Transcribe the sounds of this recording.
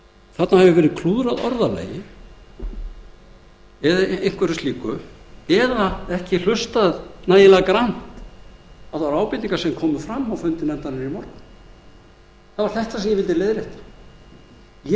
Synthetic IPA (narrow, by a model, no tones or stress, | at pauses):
θat̪nahɛvʏvɛːɾɪðkʰluːðɾaðɔ̰ɾðalḛːjɪ | ɛðaejŋ̥kvɛɾʏst̪iːkʏɛðaɛhcɪl̥ʏst̪aðnaːjɪlɛɣakɾan̥tt̪ | aðvaɾaːwpɪnt̪iŋkaɾ̥sɛmkʰɔːmʏfɾamːawfʏnt̪ɪnɛnt̪anɪɾimɔɾka | θaðvaɾ̥θɛht̪asɛmjɛvɪlt̪ɪleːjðɾɪht̪ḁ | j